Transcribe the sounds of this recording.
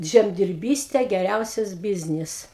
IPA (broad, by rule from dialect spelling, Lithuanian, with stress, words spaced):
ˌʒʲɛmʲdʲɪrʲˈbʲiːsʲtʲɛ ɡʲɛˈrʲɛʊsʲɛs ˈbʲɪzʲnʲɪs